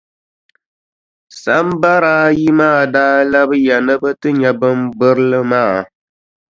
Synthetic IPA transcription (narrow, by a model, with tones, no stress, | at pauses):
sa˨˦m˦ba˦ɾaː˦ji˦maː˦˨daː˦la˦bɨ˦jɛ˨nɨ˦bɨ˦tɨ˦ɲɛ˨bɨ˦mbɨ˦ɾɨ˦lɨ˦maː˦˨